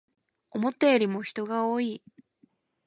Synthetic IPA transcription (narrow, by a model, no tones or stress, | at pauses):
omo̞t̪ːejoɾʲimo̞çi̥t̪o̞ɡaoːi